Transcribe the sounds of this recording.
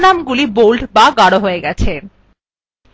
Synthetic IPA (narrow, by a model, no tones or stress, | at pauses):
namɡulibolɖbaɡaɽoɦoeɡɛt͡ɕʰe